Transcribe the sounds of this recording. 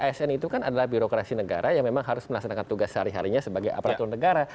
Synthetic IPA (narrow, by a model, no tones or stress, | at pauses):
aɛsɛnit̪ukanadalahbiɾokɾasinəɡa̰ɾʔajaŋmemaŋɦaɾʊsməlaksanakant̪uɡashaɾiɦa̰ɾiɲasəbaɡaja̰paɾat̪unːəɡaɾa